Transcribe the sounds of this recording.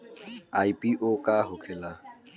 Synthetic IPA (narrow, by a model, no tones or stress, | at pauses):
aipʼiʔokʼaɦʊkʰɛla